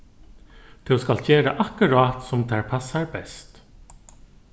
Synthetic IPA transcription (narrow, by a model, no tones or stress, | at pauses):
t̪ʰɛwskalt͡ʃeːɾaʔakəɾaːt̪sʊmt̪ʰæɹpʰasːaɹbɛst̪